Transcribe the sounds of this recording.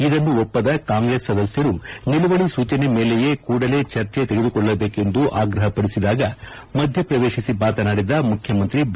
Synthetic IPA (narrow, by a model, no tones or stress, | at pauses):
id̪ɐnːuɔpːɐd̪ɐkaːŋɡɾeːsːɐd̪ɐsjɐɾuniluʋɐɭisuːt͡ʃɐne̞me̞ːlejekuːɽɐle̞ːt͡ʃɐɾt͡ʃet̪eɡe̞d̪ukɔɭːɐbe̞ːke̞nd̪uʔaːɡɾɐɦɐpɐɽisid̪aːɡɐ | mɐd̪ʱjɐpɾɐʋe̞ːʃisibaːt̪ɐnaːɽid̪ɐmukʰjɐmɐnt̪ɾib